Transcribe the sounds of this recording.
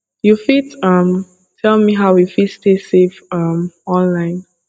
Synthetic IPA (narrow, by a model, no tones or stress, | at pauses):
jufidʌ̃m | tʰɛlˠmiɦaʊjufidstesevʌmɔ̃nlãɪ̃n